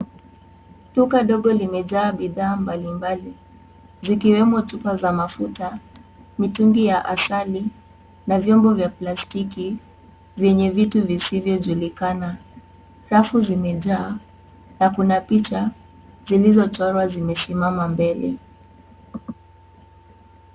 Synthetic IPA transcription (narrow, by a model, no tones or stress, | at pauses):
tukaɗɔɠɔlimɛʄaːɓiðaːmbalimbali | zikiwɛmɔt͡ʃupazamafutamituŋɡijaʔasali | navjɔmbɔvjaplastiki | vjɛɲɛvituvisivjɔʄulikana | ɾafuzimɛʄaː | nakunapit͡ʃa | zilizɔt͡ʃɔɾwazimɛsimamambɛlɛ̰